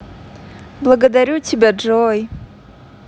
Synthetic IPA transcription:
blˠɐɡəd̪aɾʲutʲʰibʲad͡ʐoj

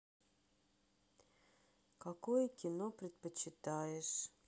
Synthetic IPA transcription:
kakojəkʲɪnopɾʲɪt̪̚pət͡ɕːɪt̪ajɪʂ

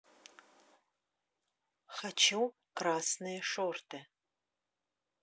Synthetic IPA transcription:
χɐt͡ʃʰɪw | kraːsnɨjʂoːrtʰɐ

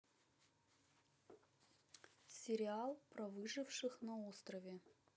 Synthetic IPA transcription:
sʲɪɾʲɪalˠpɾɐvɨʐɨfʂɨxnɐost̪rəvʲe

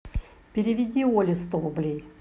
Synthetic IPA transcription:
pʲɪɾʲɪvʲɪdʲiolʲɪst̪ovblʲi

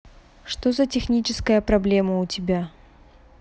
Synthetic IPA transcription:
ʂt̪o̞zətʲɪxnʲit͡ɕɪskəjəpɾɐblʲeməʊtʲɪbʲa

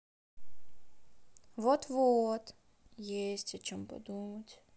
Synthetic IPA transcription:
ʋɔt̪ʋɔt̪ | jesʲtʲɐt͡ʃɔmpɔ̰d̪umɐtʲ

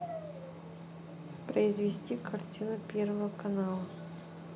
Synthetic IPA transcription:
pɾəɪzvʲɪsʲtʲikɐrtʲinʊpʲervəvəkɐnalˠə

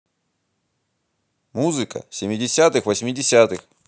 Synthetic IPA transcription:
muzɨkə̰sʲɪmʲɪdʲɪsʲat̪ɨxvəsʲmʲɪdʲɪsʲat̪ɨx

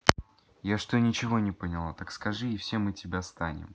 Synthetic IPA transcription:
jaʂt̪onʲɪt͡ɕɪvo̞nʲɪpənʲɪlˠat̪akskɐʐɨɪfsʲe̞mːɨtʲɪbʲast̪anʲɪ̰m

